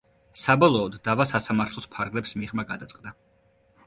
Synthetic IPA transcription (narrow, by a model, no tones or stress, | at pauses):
sabɔlˠɔːd̪ːavasasamaɾt̪ʰlˠɔspʰaɾɡlɛpsmiʁmaɡad̪at̪sʼqʼd̪a